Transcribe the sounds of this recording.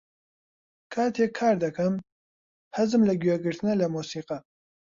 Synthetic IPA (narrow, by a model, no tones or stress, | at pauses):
kʰaːt̪ʰeːkʰːaːɾd̪ɐkʰɐm | hɐzɨmlɐɡɥɛɡɨɾt̪ʰɨnɐlɐmuːsiːqɐ